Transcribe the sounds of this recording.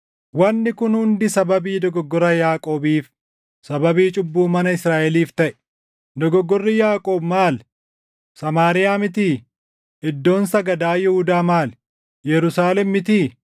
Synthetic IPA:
wɐnːɪkʊnhʊnd̪ɪsɐbɐbiːd̪ɔɡɔɡːɔɾɐjaːkʼo̞ːbiːf | sɐbɐbiːt͡ʃʼʊbːuːmɐnɐɪsɾaːʔɛliːft̪ɐʔɛ̥ | d̪ɔɡɔɡːɔrːɪjaːkʼo̞ːbmaːl | sɐmaːɾɪjaːmɪt̪iː | ɪd̪ːo̞ːnsɐɡɐd̪aːjɛhʊd̪aːmaːl | jɛɾʊsaːlɛmːɪt̪iː

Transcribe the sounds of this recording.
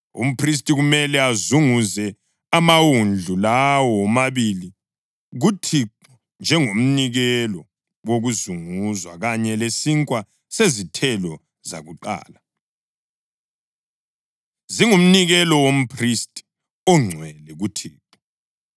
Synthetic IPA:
ṵm̩pʰris̬tʼiɣumɛlɛazuŋuzɛ | amawund͡ɮʱulawɔmaβili | ɣutʰiǃ | u | nd͡ʒʱɛŋum̩niɣɛlɔ | woɣuzuŋuzwa̰ɣaɲɛlesiŋkʼwa | sezitʰɛlɔ | za̰ɣuǃa̰ːla | ziŋum̩niɣɛlɔwom̩pʰristʼi̥ | ɔŋ͡ǀʱwɛlɛɣutʰiːǃu

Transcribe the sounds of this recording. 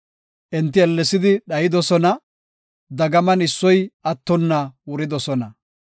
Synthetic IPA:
ʔɪnt̪ːɪɛlːɛsɪd̪ɪɗɐjɪd̪ɔsɔnɐ | d̪ɐɡɐmɐnɪsːɔjɐt̪ːɔnːɐwʊɾɪd̪ɔsɔnɐ

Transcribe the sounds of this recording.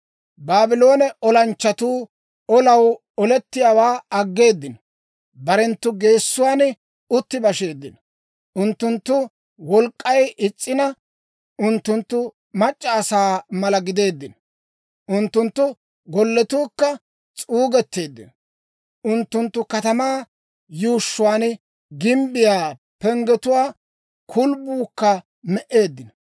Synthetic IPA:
baːbɪlo̞ːnɛʔɔlɐnt͡ʃːɐt̪uː | ɔlɐw | ɔlɛt̪ːɪjawaːɐɡːe̞ːd̪ːɪn | bɐɾɛnt̪ːʊɡe̞ːsːʊwaːn | ʊt̪ːɪbɐʃe̞ːd̪ːɪn | ʔʊnt̪ːʊnt̪ːʊ | wɔlkʼːɐjʔɪt͡sʼːɪnɐ | ʊnt̪ːʊnt̪ːʊ | mɐt͡ʃʼːɐːsaːmɐlɐɡɪd̪e̞ːd̪ːɪn | ʔʊnt̪ːʊnt̪ːʊ | ɡɔlːɛt̪uːkːɐ | t͡sʼuːɡɛt̪ːe̞ːd̪ːɪ̰n | ʔʊnt̪ːʊnt̪ːʊkɐt̪ɐmaː | juːʃːʊwaːn | ɡɪmbɪjaː | pɛŋɡɛt̪ʊwaː | kʰʊlbuːkːɐ | mɛʔe̞ːd̪ːɪn

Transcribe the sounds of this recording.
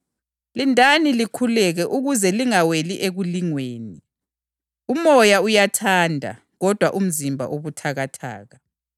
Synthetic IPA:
lindʱanilikʰulɛɣɛʔuɣuzɛliŋaweliʔeɣuliŋweːni | umɔjaujatʰandʱa̰ | ɣɔd̥ʱwaʔum̩zimbʱa̰ʔoβutʰaɣatʰa̰ːɣa

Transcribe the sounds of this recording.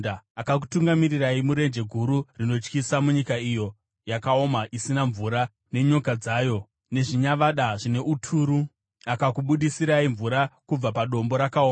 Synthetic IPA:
aakak̬utuŋɡamiriraimuɾe̞nd͡ʒe̞ɡʱuɾurino̞t͡ʃkisamuɲikaijo̞ | jakao̞maʔisinaɱvuɾa | ne̞ɲo̞kad͡zaːjo̞ | ne̞ʐiɲaʋaɗaʐine̞ʔutʰuːɾu | akakuɓuɗisiɾaiɱvuɾakub͡vapaɗo̞mbo̞ɾakaoːa

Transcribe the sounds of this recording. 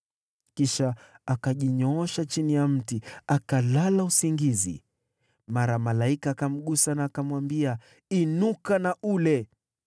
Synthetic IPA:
kiʃaakaʄiɲɔɔʃat͡ʃinijam̩tiakalalausiŋɡizḭ | maɾamalaikaːkam̩ɠusanaːkamwambia | inukanaʔulɛ

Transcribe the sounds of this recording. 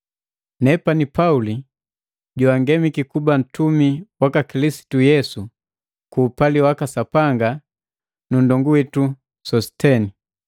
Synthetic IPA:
nɛpanipauli | ɟuaŋɡɛmikikuban̩tumiwakakilisi̥tujɛsu | kuːpaliwakasapaŋɡa | nundɔŋɡuwɛtu | sɔstɛni

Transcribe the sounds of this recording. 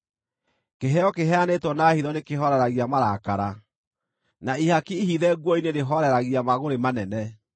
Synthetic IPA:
keɦɛɔkeɦɛanetwɔnaːhiðɔnekeɦɔɾɛɾaɣiamaɾakaɾa | naihakiːhiðɛɣwɔineɾeɦɔɾɛɾaɣiamaɣoɾemanɛnɛ

